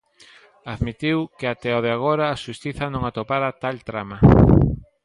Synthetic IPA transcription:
aðmit̪iwkeat̪ɛoðeaɣ̞oɾɐːʃust̪iθɐnõŋat̪opaɾat̪alt̪ɾamɐ

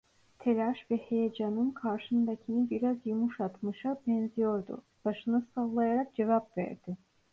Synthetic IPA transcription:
t̪ʰe̞lʲaʃvɛhe̞jed͡ʒanɯnkʰaɾʃɯnd̪acʰinɯbiɾazjumuʃat̪mɯʃabɛnzijo̞ɾd̪ṵ | b̥aʃɯnɯsallˠajaɾak̚d͡ʒe̞vapvæ̰ɾd̪̥ɪ

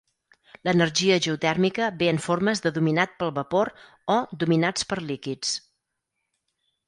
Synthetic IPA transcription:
lənərʒiəʒəut̪ɛrmikəβeəɱforməzðəðuminat̪̚pəlˠβəpoɾ | ɔd̪uminat͡spəɾlikit͡s

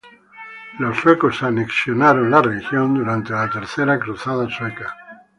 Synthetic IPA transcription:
lo̞sːwekosaneksjo̞naɾo̞nlarexjo̞nd̪uɾant̪elat̪e̞ɾθe̞ɾakɾuθaðasweka

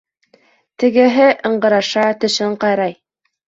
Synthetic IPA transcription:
t̪ɘ̆ɡɘ̆ɦɘʔɤ̆ɴɢɤ̆ɾɑʃɑt̪ɵ̆ʃɘɴqɑjɾɑj

